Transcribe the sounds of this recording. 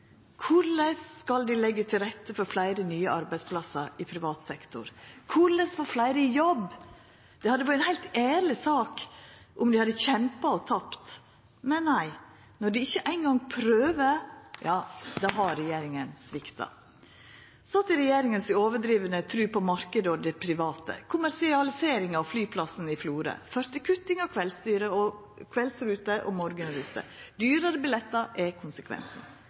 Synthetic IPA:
kʰʊɭəskɑld̪ɪlɛɡːət̪ʰɪlɾɛt̪ːəfɔɾflæɪɾənyːəɑɾbæɪspʰlɑsəɾɪpʰɾɪʋɑːt̪sɛkt̪ʊ̰ɾkʰʊɭəsfɔɾflæɪɾəjɔb | d̪̥ɛhɑd̪ːəʋɑɾæɛnhæɪlt̪æːɾlɪsɑːkʔʊmd̪ɪhɑd̪əçɛmpɑɔt̪ʰɑpt̪ | mɛnnæɪ | nɔɖɪɪçːəʔæɪnɡɑŋpʰɾøːʋəjɑːd̪ɑɦɑɾɛjeːɾɪŋənsʋɪkt̪ɑ̰ | sɑt̪ːəɾɛjeːɾɪŋənsɪoːʋəɖɾiːʋənət̪ʰɾʉːpɔmɑɾkəd̪əɔd̪ɛpʰɾɪʋɑːt̪ə̰kʰʊmæɾsɪɑlɪseːɾɪŋɑʋflyːpʰlɑsənɪfluːɾə̰fœɾt̪ɪkʰʉt̪ɪŋɑkʰʋɛlst̪yːɾəɔ | kʰʋɛlsɾʉːt̪əʔɔ̰mɔɾɡənɾʉːt̪ə̰d̪yːɾəɾəbɪlɛt̪ːɑɾʔɛkʰʊnsəkʰʋɛ̰nsn̩

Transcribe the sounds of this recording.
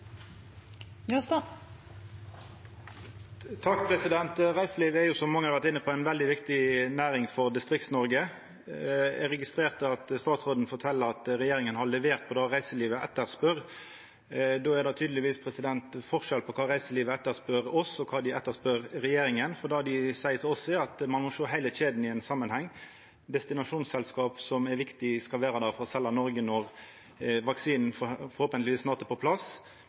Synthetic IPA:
øst̪ɑ | t̪ʰɑk̚ːpʰɾɛsɪd̪ɛnt̪ʁæɪsəliːʋəɛɾjʊsɔmːɑŋəɑd̪ʋæt̪ɪnːəpʰɔæɪnʋɛld̪ɪʋɪkt̪ɪnæːɾɪŋfɔʁd̪ɪst̪ʁɪkt̪snɔɾɡə | ɛ̰ɾɛɡɪst̪ɾeːʁt̪ʰɪlɑt̪st̪ɑːt̪sʁoːd̪n̩fɔʁt̪ʰɛlːəɾɑt̪ɾɛjeːɾɪŋənhɑɭɛʋeːʁt̪̚pʰɔd̪ɑːʁæɪsəliːʋəʔɛt̪ːəʁspœʁ | d̪oːæɾd̪ɑt̪ʰyːd̪lɪʋiːspʰɾɛsɪd̪ɛnt̪fɔʁʂɛlpʰɔkʰɑːɾæɪsəliːʋəɛt̪ːəɾspœɾɔsɔkʰɑːd̪ɪʔɛt̪ːəspœɾɾɛjeːɾɪŋənfɔd̪ɑːɖɪsæɪət̪ɪlɔsːɛɑt̪mɑnmɔʂoːɦæɪəçeːd̪n̩ɪɛnsɑmːənhɛŋː | d̪ɛst̪ɪnɑʂuːnsɛlskɑːpsɔmæɾʋɪkt̪ɪskɑlʋæːɾɑd̪æɾfɔɾɔsɛlːɑnɔɾɡənɔʁ | ʋɑksiːnn̩ffɔɾhoːpənlɪʋiːsnɑːʁt̪əpʰɔpʰlɑs

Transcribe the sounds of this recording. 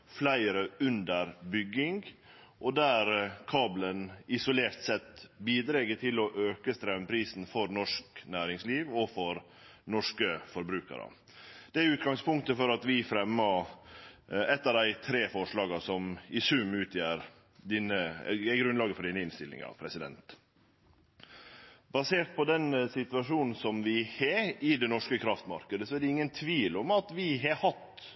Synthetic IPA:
flæɪɾəʉnd̪əɾbʏɡːɪŋɡʔɔd̪æɾkʰɑːblənɪsʊleːɾt̪sɛt̪biːd̪ɾɛɡət̪ʰɪlɔʔøːkəst̪ɾɛmpʰɾiːsn̩fɔɾnɔʂknæːɾɪŋsliːʋɔfɔɾ | nɔʂkəfɔɾbɾʉːkə̰ɾə̰ | d̪̥ɛæʉːt̪̚ɡɑŋspʊŋkt̪əfɔɾɑt̪ʋɪfɾɛmːɑ | ɛt̪ːɑd̪æɪt̪ʰɾeːfɔʂɭɑːɡɑsɔmɪsʉmʉːt̪ʰjæːɾ | d̪iːnəɛɡɾʉnlɑːɡəfɔɖiːnəɪnst̪ɪlːɪ̰ŋɑ̰pʰɾɛsɪd̪ɛ̰nt̪ | bɑseːʈ̪̚pʰɔd̪ɛnsɪt̪ʉɑʂuːnn̩sɔmʋɪheɪd̪ɛnɔʂkəkʰɾɑft̪mɑ̰ɾkəd̪əsɔæɖɛɪŋːənt̪ʰʋiːlɔmɑt̪ʋɪɦɑhɑt̪

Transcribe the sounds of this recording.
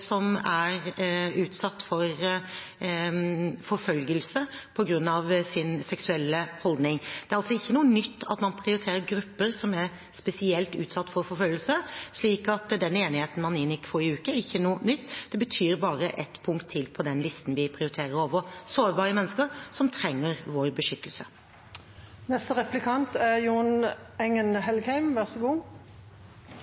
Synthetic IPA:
sɔmæɾʉːt̪sɑt̪ːfɔɾ | fɔɾfœlɡəlsəpʰɔɡɾʉnːɑʋsɪnsɛksʉɛlːəhɔld̪nɪŋd̪̥ɛɾɑlsɔɪçːənuːənʏt̪ʰːɑ̰t̪mɑnpʰɾɪʊɾɪt̪ʰeːɾəɾɡɾʉpːəɾsɔmæɾ | spɛsɪɛlt̪ʉ̰ːt̪sɑt̪ːfɔɾfɔɾfœlɡəlsəʂliːkɑt̪d̪ɛneːnɪheːt̪n̩mɑnɪnjɪkːfɔɾɪʉːkəæɾɪçːənuːnʏt̪ːd̪̥ɛbət̪ʰyːɾbɑːɾəʔɛt̪pʰʊŋkt̪ʰːɪlpʰɔd̪ɛnlɪst̪n̩ʋɪpʰɾɪʊɾɪt̪ʰeːɾəɾoːʋəsoːɾbɑːɾəmɛnːəskəɾsɔmt̪ʰɾɛŋːəɾʋoɾbəʂʏt̪ʰːəlsə | nɛst̪əʁɛplɪkʰɑnt̪ɛjuːnɛŋːənɦɛlɡhæɪmʋæʁsəɡuː

